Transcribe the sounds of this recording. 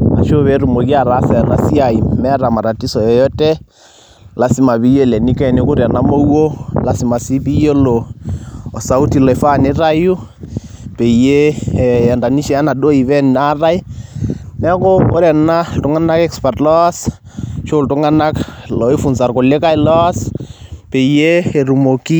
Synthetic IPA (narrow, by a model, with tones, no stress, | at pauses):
a̰˨ʃo˦βɛ˨˦ɾu˨mo˨ki˦a˨ɾa˦sɛ˨na˨si˦a˨i˨mɛ˦ɾa˨ma˨ɾa˨ti˦sɔ˨jɔ˨˦jɔ˦tɛ˦ | la˨si˦ma˨bi˦jɔ˦˨lɛ˨ni˦kɛ˦˨ne˦ku˦ɾɛ˨na˦mo˦wo˦la˨si˨ma˨si˦pi˦jo˦lɔː˨ | sa˨u˦ti˨lɔ˨ɛ˨fa˦˨ne˦ɾa˦ju˦ | pe˨je˦˨ɛ˨nda˨ni˦ʃɛ˦a˦na˨ɗo˦i˨βɛ˦na˦ra˦i˦ | nɛ˦kɔ˦o̰˦ɾɛ˨na˦ltʊ˦ŋa˦na˦kɛ˦kspa˨rtlɔ˦a˦s | t͡ʃo˦ltʊ˦ŋa˦na˦klɔ˨i˦fu˨nsa˨rko˨le˦ka˦i˦lɔ˦a˦spe˨jeː˦˨ɾu˨mo˨ki˦